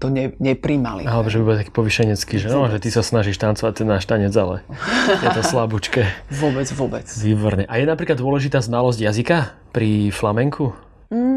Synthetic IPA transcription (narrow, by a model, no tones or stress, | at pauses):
t̪ɔɲɛɲɛpɾiːma̰lḭalɛbɔʒɛbibɔlˠt̪akiːpɔʋiʃɛɲɛt͡skiːʒɛnɔʒɛt̪isasnaʒiʃt̪ant͡sɔʋat̪ɛnːaːʃt̪aɲɛd͡zalɛ̰jɛt̪ɔslabut͡ʃkɛʋɔbɛd͡zʋʊɔbɛt͡sʋiːbɔɾɲɛʔajɛnapɾiklad̪ːʊɔlɛʒit̪aːznalɔzɟjazika | pɾiflamɛŋkʰu